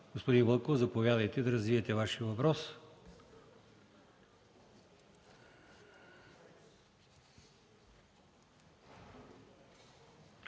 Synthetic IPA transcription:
ɡ̥ospod̪invəlˠkovzɐpovʲjad̪ɐjt̪ɛd̪ɐɾɐzviɛt̪ɛvaʃiəvɐpɾɔs

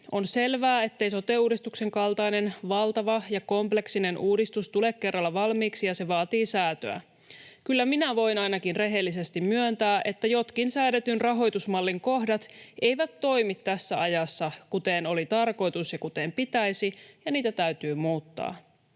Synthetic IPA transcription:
o̞nse̞lʋæːe̞t̪ːe̞jsot̪euːdist̪ukse̞ŋkɑlt̪ɑine̞nʋɑlt̪ɑʋɑjɑko̞mple̞ksine̞nʔuːdist̪ust̪ule̞kːe̞rːɑlːɑʋɑlmiːksijɑse̞ʋɑːt̪iːsæːt̪ø̰æ̰ | kylːæminæʋo̞jnɑjnɑkinre̞ɦe̞lːise̞st̪immyønt̪æːʔe̞t̪ːæjo̞t̪kinsæːɾet̪ynrɑɦo̞jt̪usmɑlːiŋko̞ɦdɑt̪e̞jʋæt̪ːo̞jmit̪ːæsːæɑjɑsːɑkut̪eno̞lit̪ɑrko̞jt̪usjɑkut̪e̞mpit̪æjsijɑniːt̪æt̪æyt̪yːmuːt̪ːɑ̰ː

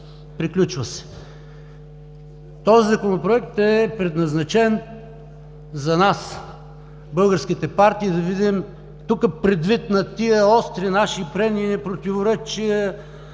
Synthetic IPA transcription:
pɾiklʲut͡ʃvɐsɛ̥ | t̪ɔzizɐkonopɾoɛk̚t̪ɛpɾɛd̪nɐznɐt͡ʃɛn | zɐnas | bɤlˠɡəɾsk̟it̪ɛpaɾt̪iːd̪ɐvid̪im | t̪ukəpɾɛd̪vit̪nɐt̪iəɔst̪ɾinaʃipɾɛniːnɛpɾot̪ʲivoɾɛt͡ʃiə

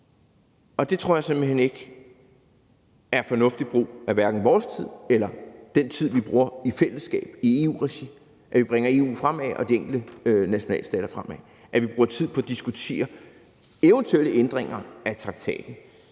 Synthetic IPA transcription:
ɒ̽d̥e̝t͡sʰʁo̝ɐ̰jɪse̝m̥̩ɦen̰e̝ɡ̥ | æɐfɒ̽nɔ̽fd̥id̥̚b̥ʁṵːæʋæɐɡ̥n̩ʋɒːst͡sʰið̰ˠelɐd̥en̰t͡sʰið̞̰ˠʋib̥ʁuːɐifel̰əsːɡ̥ɛ̰ːb̥ie̝ːṵːʁɛɕi | ʔæʋib̥ʁeŋɐe̝ːṵːfʁam̰ɛʔɒ̽d̥ieŋ̰ɡ̥l̩d̥ənæɕo̝nɛ̰ːləsd̥ɛ̰ːɾ̥ɐfʁamæ | ʔæʋib̥ʁuːɐt͡sʰið̞̰ˠpʰɒ̽æd̥isɡ̥ut͡sʰe̝̰ːɐ | eʊənt͡sʰueləend̥ʁeŋɐæt͡sʰʁɑ̈ɡ̥t͡sʰɛ̰ːd̥n̩

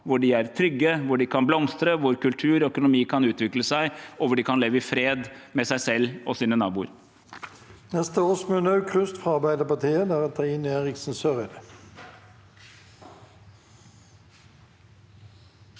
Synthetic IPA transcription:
ʋʊɖɪæɾt̪ʰɾʏɡːəʋʊɖɪkʰɑnblɔmst̪ɾəʋʊɾkʉlt̪ʰʉːɾœkʊnʊmiːkʰɑnʉːt̪ʋɪkləsæɪɔʋʊɖɪkʰɑnleːʋəɪfɾeːd̪mɛsæɪsɛlːɔsiːnənɑːbuːə̰ɾ | nɛst̪əoːsmønɑʉkʰʁʉst̪fʁɑɑʁbæɪd̪əpɑt̪ʰiːəd̪æʁɛt̪ʰɑɪːneːʁɪksn̩sœʁəd̪

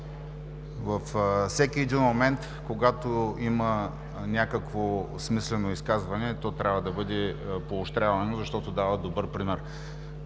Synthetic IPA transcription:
vɐfsɛkʲiɛd̪inmomɛnt̪ | koɡat̪oimɐ | nʲakəkvo | smislɛnoiskazvɐnɛt̪ɔt̪ɾʲʔavɐd̪ɐbɤd̪ɛpoːʃt̪ɾʲavɐnozɐʃt̪ɔt̪od̪avɐd̪obɤɾpɾimɛɾ

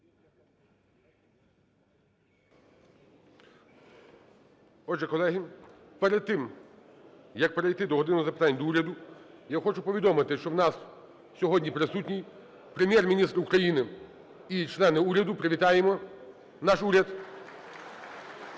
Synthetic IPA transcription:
ɔd͡ʒɛkɔlˠɛɦi | pɛɾɛd̪̚t̪ːɪm | jɐk̚peɾejt̪ɪd̪ɔɦɔd̪ɪnʊɔzɐpɪt̪ɑnʲd̪ɔuɾʲɐd̪ʊjaxɔt͡ʃʊpɔʋʲid̪ɔmɪt̪ɪʃt͡ʃɔwnɑs | sʲɔɦɔdʲnʲipɾɪsutʲnʲij | pɾemʲjɛrmʲinʲist̪ɾukɾɐjinɪ | it͡ʃlˠɛnɪuɾʲɐd̪ʊpɾeʋʲit̪ɑjemɔ | nɑʃuɾʲɐd̪

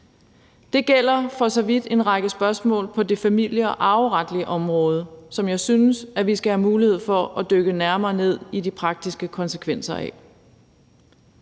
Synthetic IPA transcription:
d̥e̝ɡ̥el̰ɐfɒ̽sɒ̽ʋid̥e̝nʁɑ̈ɡ̥əsb̥ɶɐsmɔ̰̽ːlpʰɒ̽de̝fæmil̰jəɒʔɑ̈ʊʁɑd̥liəʔɒ̽mʁɔ̽ːð̞ˠəsɒ̽mjɑ̈ɪsynəsæʋisɡ̥æhæmuːlihe̝ð̞̰ˠfɒ̽æd̥øɡ̥ənæɐmɐːne̝ð̰ˠidipʰʁɑ̈ɡ̥̚d̥isɡ̥əkʰɒ̽nsəkʰʋen̰sɐɛ̰

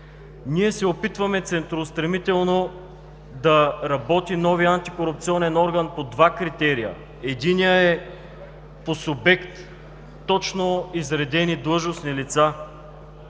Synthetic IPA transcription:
niɛsɛopit̪vɐmɛt̪sɛnt̪ɾost̪ɾɐmit̪ɛlˠno | d̪ɐɾɐbɔt̪inɔviant̪ikoɾʊp̚t̪siɔnɛnɔɾɡənpod̪vakɾit̪ɛɾijə̰ | ɛd̪inijəɛ | posʊbɛkt̪ː | ɔt͡ʃnoizɾɛd̪ɛnid̪lˠɤʒnosnilit̪sa

